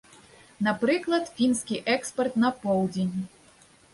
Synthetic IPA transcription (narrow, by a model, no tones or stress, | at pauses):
napɾɨklˠɐt̪fʲinskʲiʔɛkspɛrt̪nɐpɔwd͡zʲenʲ